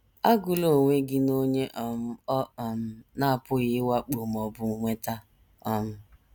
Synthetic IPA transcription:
a˦ɡu˨lo˦˨ŋʷe˦ɡɪ˦no˦ɲe˦ʔɔ˨m̩˦ɔ˦˨m̩˦na˦a˨pʊ˦ɣɪ˦wa˦k͡pu˨m˨ɔ˨bʊ˨˦ŋʷe˦ta˦ | ɔ˦m̩˦

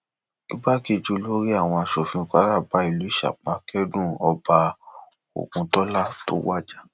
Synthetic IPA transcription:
i˦ba˦ki˦˨d͡ʒu˧lo˦ɾi˦a˦˨w̃ɔ̃˧a˧ʃɔ˨fĩ˧˦˧ka˨˦ɾa˦˨ba˨˦i˦˨lu˨˦i˦ʃa̰˨k͡pa˨˦kɛ˦dũ˦˨ɔ˧ba˧ | o̰˨kũ˧tɔ˦la˦˨to̰˨˦wa˦˨d͡ʒa˦

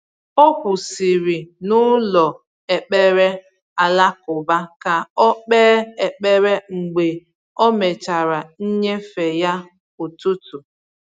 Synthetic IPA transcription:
ɔ˦kʷʊ˨si˨ɾi˨nʊ˦lɔ˨ | e˨k͡pe˦ɾe˦ | a˨la˦kʊ˨ba˦ka˨ɔ˦k͡pɛː˦e˨k͡pe˦ɾe˦ŋ͡m̩˨ɡ͡be˨ | ɔ˦me˨t͡ʃa˨ɾa˨n̩˦ɲe˦fe˨ja˦ | o˨tu˦tu˨

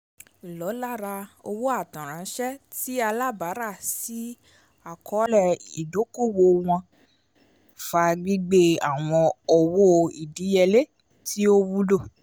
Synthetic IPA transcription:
lɔ˨˦la˦˨ɾa˧o˧wo˦a˦˨tã˨ɾ̃ã˨˦ʃɛ˦ti˦a˧la˦ba˨˦ɾa˦˨si˨˦ | a˨kɔ˨˦lɛ˦˨i˨do˨˦ko˦˨wo˧w̃ɔ̃˧ | fa˧ɡ͡bi˦ɡ͡be˦a˨w̃ɔ̃˧ɔ˧wo˦˧i˨di˨˦jɛ˧le˦ | ti˦o˦wu˦lo˦˨

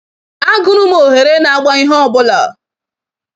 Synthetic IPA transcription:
a˦ɡʊ˨ɾʊ˦m˦o˨ɦe˨ɾe˦na˨a˨ɡ͡ba˦i˦ɦɔ˦˨bʊ˦lɔ̰˨

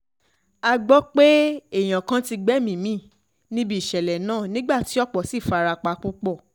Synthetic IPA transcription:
a˧ɡ͡bɔ˦k͡pe˦e˦˨j̃ã˨kã˧˦ti˧ɡ͡bɛ˦mĩ˦˨mĩ˦˨ | nĩ˦bi˦˨ʃɛ˨lɛ˨nãː˦˨nĩ˦ɡ͡ba˦˨ti˨˦ɔ˦k͡pɔ˨si˦˨fa˧ɾa˧k͡pa˧ku˦k͡pɔ˦˨

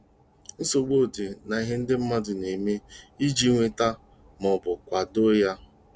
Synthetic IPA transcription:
n̩˦so˨ɡ͡bo˦˨di˨na˨i˦ɦe˦n̩˦dɪ˦m̩˦ma˦dʊ˨ne˨me˦i˦d͡ʒi˦ŋʷe˨ta˦ | mɔ˨bʊ˨kʷa˨do˦ja˦

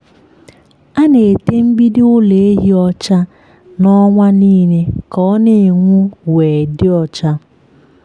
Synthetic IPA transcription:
a˦ne˨e˨te˦m̩˦bi˦dɪ˦ʊ˦le˨e˦ɦi˦ɔ˦t͡ʃa˦ | nɔ˦ŋʷa˦niː˦ne˦kɔ˦ne˨ŋʷu˦we˨dɪ˦ɔ˨t͡ʃa˦

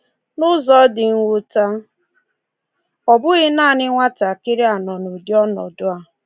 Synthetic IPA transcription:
nʊ˦zɔ˦dɪ˨ŋ̩˦wʷʊ˦ta˦ | ɔ˨bʊ˦ɣɪ˦naː˦˨nɪ˦ŋʷa˦ta˨kɪ˦ɾɪ˦a˨nɔ˨no˨di˦ɔ˦nɔ̰˨dʊ˦a˨

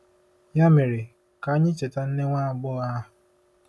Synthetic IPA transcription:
ja˦me˨ɾe˨ | ka˨˦ɲɪ̃˦t͡ʃe˨ta˨n̩˦ne˦ŋʷa˦˨ɡ͡bɔ˦a˦

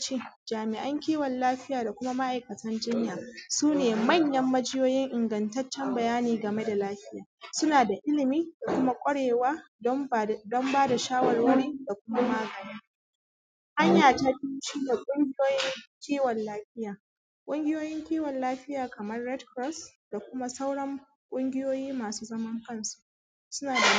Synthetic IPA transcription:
t͡ʃeː˦d͡ʒaː˨mɪ˨ʔɐ˦ŋkʲiː˦wɔ˨nlaː˦ɸɪ˦jaː˨da˨kʷʊ˦ma˦ma˦ʔa˨jkɐ˨tʰɐ˦nd͡ʒɪ˦ɲjaː˨suː˦neː˨mɐ˦˨ɲjɐ˦mːɐ˦d͡ʒɪ˦joː˦jɪ˦ŋʔɪ˨ŋɡɐ˨ntɐ˦t͡ʃːɛ˦mbɐ˨jaː˦niː˨ɡɐ˨me˦da˨laː˦ɸɪ˦jaː˨sʊ˦naː˨da˨ʔɪ˦lɪ˨miː˦da˨kʷʊ˦ma˦kʷʼɐ˦ɽeː˨waː˦ | dɔ˦mbaː˦da˨ʃaː˦wɐ˨rwɐ˦ɽiː˦da˨kʷʊ˦ma˦maː˨ɡɐ˨niː˦ | ʔa˦ɲjaː˨taː˦ti˦t͡ʃiː˦da˨kʷʼʊ˦ŋɡʲɪ˦joː˦jɪ˦ŋkʲiː˦wɔ˨nlaː˦ɸɪ˦jaː˨ | kʷʼʊ˦ŋɡʲɪ˦joː˦jɪ˦ŋkʲiː˦wɔ˨nlaː˦ɸɪ˦jaː˨kɐ˨mɐ˦rːɛ˦dkɾɔ˦sda˨kʷʊ˦ma˦sa˦wɽɐ˦ŋ | kʷʼʊ˦ŋɡʲɪ˦joː˦jiː˦maː˨suː˦zɐ˦mɐ˦ŋkɐ˦˨nsu̥˨ʔʔ | sʊ˦naː˨da˨

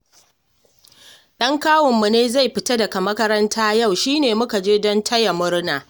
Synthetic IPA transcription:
ɗɐ˦ŋkaː˦wɔ˨mːu˨neː˦za˦˨jɸɪ˨ta˦dɐ˨ka˨mɐ˦kɐ˦ɾɐ˦ntʰaː˦ja˦˨wʃiː˦neː˨mʊ˦ka˨d͡ʒeː˦dɔ˦ntʰɐ˦ja˨mʊ˦ɽnaː˨

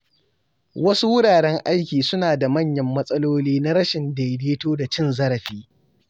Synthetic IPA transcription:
wɐ˦su˦wʊ˦ɽaː˨ɽɛ˦ŋʔa˦jkʲiː˨sʊ˦naː˨da˨mɐ˦˨ɲjɐ˦mːɐ˦sʼɐ˦loː˦liː˦na˦ɾɐ˦ʃɪ˨nda˨jdeː˦toː˦da˨t͡ʃɪ˦˨nzɐ˦ɾɐ˨ɸiː˦

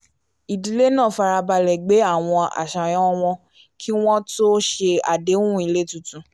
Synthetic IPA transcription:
i˨di˨˦le˦nã˦˨fa˧ɾa˧ba˧lɛ˨ɡ͡be˨˦a˦˨w̃ɔ̃˧a̰˨ʃa˨j̃ɔ̃˨˦˧w̃ɔ̃˧ | kʰi˦w̃ɔ̃˦to˦ʃe˧a˨de˨˦ũ˦˨i˧le˦tũ˨tũ˨˦

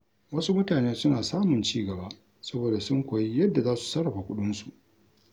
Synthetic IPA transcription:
wɐ˦su˦mʊ˦taː˨neː˦sʊ˦naː˨saː˦mʊ˨nt͡ʃiː˦ɡɐ˨baː˦ | sɐ˦boː˨da˨sʊ˦ŋkʷoː˨ji˦jɐ˦dːa˨zaː˦su̥˨sɐ˦ɽɐ˨ɸa˨kʷʊ˦ɗʊ˦nsu˨ʔ

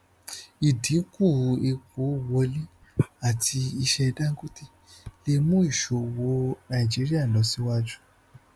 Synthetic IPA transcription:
i˨dĩ˨˦ku˦˨˧e˧ko˨˦wɔ˧li˦ | a˦˨tʰi˧i˧ʃɛ˧dã˦ŋ̩˦ɡu˦ti˦ | le˦mũ˦i˦˨ʃo˨˧wo˨˦nã˧˨i˨d͡ʒi˨˦ɾi˦a˦˨lɔ˨˦si˦wa˦d͡ʒu˦

